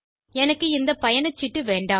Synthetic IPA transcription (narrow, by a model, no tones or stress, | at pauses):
ɛnɐkːɯɪnd̪ɐpɐjɐnɐt͡ʃːɪʈːɯʋeːɳɖaː